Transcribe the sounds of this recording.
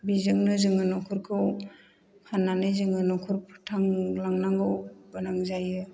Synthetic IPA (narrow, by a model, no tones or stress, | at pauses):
bizɯŋnɯzɯŋɯnɔkʰuɾkʰɯw | kʰanːanɯjzɯŋɯnɔkʰɯɾpʰtʰaŋlaŋnaŋɡɯwbanaŋzajɯ